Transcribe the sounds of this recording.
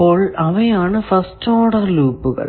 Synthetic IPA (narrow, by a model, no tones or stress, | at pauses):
oːɭɐʋɐjaːɳɨfɐstoːɽɐɾluːpːuɣɐ̰ɭ